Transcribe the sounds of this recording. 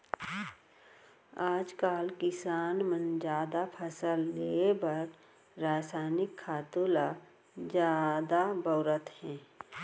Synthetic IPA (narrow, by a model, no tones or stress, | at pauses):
aːd͡ʒkaːlkɪsaːnmə̃nd͡ʒaːd̪apʰəsəlːebəɾ | ɾaːsaːnɪkʰːaːt̪ula | d͡ʒjaːd̪abəʊɾət̪hɛ̃ː